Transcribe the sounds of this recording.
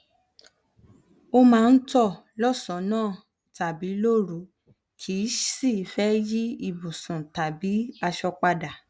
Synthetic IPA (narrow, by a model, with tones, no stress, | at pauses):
o˧mãː˦˧n̩˦tɔ˦˨ | lɔ˦˨sɔ˨˦nãː˦˨ | ta˨bi˨˦lo˦˨ɾu˨ | kʰi˨˦si˦˨i˨fɛ˦ji˦i˧˨bu˨sũ˨ta˨bi˨˦a˧ʃɔ˧k͡pa˧da˨